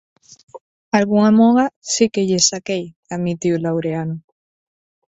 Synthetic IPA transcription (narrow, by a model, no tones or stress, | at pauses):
alɣuŋamoɣasikeʎesakej | amit̪iulawɾeano